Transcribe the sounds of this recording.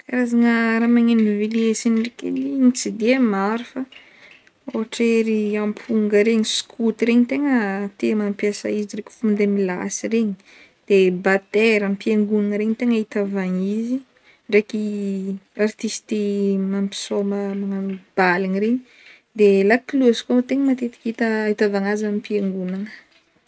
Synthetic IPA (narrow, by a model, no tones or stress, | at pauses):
aɾazaŋəɾamaŋenviliesiniɖ͡ʐekḭlinit͡sid̪eamaɾifə | oɦaʈ͡ʂeɾiampʰuŋɡəɾeɲiskʰut̪iɾeɲit̪eŋət̪emampjasa̰izirekʲu̥fumnd̪emila̰sireɲi | d̪̥ebat̪eɾampieŋɡunanəɾeɲit̪eŋait̪avaŋizi | reki | art̪ist̪imampi̥soməmaŋamib̥alinireɲi | d̪elakiluəzi̥kot̪eŋəmat̪et̪i̥kʲit̪əit̪avaŋazamipieŋɡunanə̥